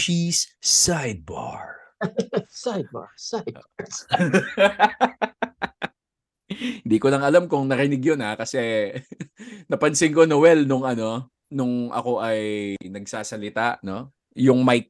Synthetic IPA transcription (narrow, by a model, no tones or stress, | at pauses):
t͡ʃisːajd̪̚ba̰ɹ | sajd̪̚ba̰ɹsajd | hɪnd̪iːkolɐŋɐlamkʊŋnɐɾɪnɪɡjonhakɐsɛ | nɐpɐnsɪŋko̞nowɛlnʊŋɐno̞ | nʊŋʔɐ̰ko̞ʔɐjnɐɡ̚saːsɐlɪt̪aʔno̞ | jʊŋmɐj